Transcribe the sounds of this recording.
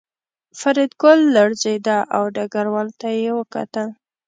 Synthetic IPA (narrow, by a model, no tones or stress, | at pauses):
faɾɪd̪ɡʊlːaɽzejd̪aʔawɖaɡaɾwɑlt̪ajewəka̰t̪əl